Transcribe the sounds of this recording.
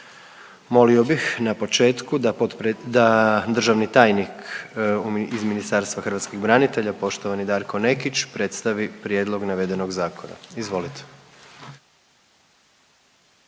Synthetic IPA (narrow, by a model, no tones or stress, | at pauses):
mo̞lio̞bixnapo̞t͡ʃe̞ːt̪kud̪ap̪pd̪ad̪r̩ʒaʋnit̪aːjnik | izminist̪aɾst̪ʋaxr̩ʋat̪skiɣbɾanit̪e̞ʎapo̞ʃt̪oʋanid̪aːɾko̞ne̞kit͡ʃpɾe̞t̪st̪aʋipɾje̞d̪lˠo̞ɡnaʋed̪e̞no̞ɡzaːko̞na̰izʋo̞lit̪ʰe̥